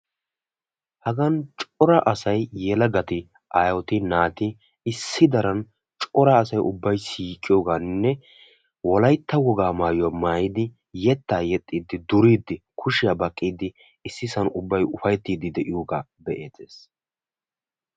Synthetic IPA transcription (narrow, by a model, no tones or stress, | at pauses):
hɐɡɐnt͡ʃʼɔɾɐʔɐsɐjːɛlɐɡɐt̪ɪ | ʔaːjɔt̪ɪnaːt̪ɪ | ɪsːɪd̪ɐɾɐn | t͡ʃʼɔɾɐːsɐjʔʊbːɐjsiːkʼːɪjɔːɡaːnːɛ | wɔlɐjt̪ːɐwɔɡaːmaːjʊwamaːjɪd̪ɪ | jɛt̪ːaːjɛt̪ʼːiːd̪ɪd̪ʊɾiːd̪ːɪkʰʊʃɪjaːbɐkʼːiːd̪ɪ | ɪsːɪsɐnʊbːɐjʊfɐjɛt̪ːiːd̪ɪd̪ɛʔɪjoːɡaː | bɛʔeːt̪eːs